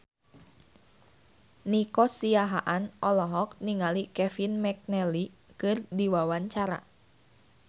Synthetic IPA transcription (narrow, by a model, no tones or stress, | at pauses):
nikɔsiaɦa̰ʔanʔɔlɔɦɔk̚niŋalikɛfinmɛk̚nɛli | kɨrdiwawaɲt͡ʃaɾa̰